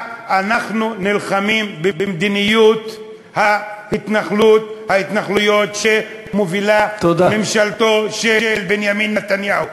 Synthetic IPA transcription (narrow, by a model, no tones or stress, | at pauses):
anaχnunilχamimbebemd̪inijut̪ | hahit̪naχlut̪hait̪naχlujo̞t̪ʃe | movilat̪od̪amemʃalt̪o̞ʃeelbenjaminːat̪anjahu